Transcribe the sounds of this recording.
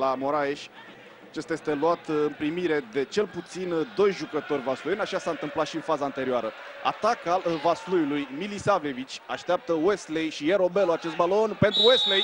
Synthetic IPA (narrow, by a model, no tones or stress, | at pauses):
lamo̞ɾaje̞ʃʲ | at͡ʃest̪aje̞st̪e̞luat̪ɨmpɾimiɾe̞d̪e̞t͡ʃe̞lput̪sind̪o̞jʒukət̪o̞rʲvaslujnaʃasaɨnt̪ɨmplat̪ʃiɨnfazaːnt̪e̞ɾiaɾə | a̰t̪akavaslujulujmilisave̞vit͡ʃʲaʃt̪eap̚t̪əwest̪lejʃijeɾo̞beloat͡ʃe̞st̪balo̞npe̞nt̪ɾuwest̪lej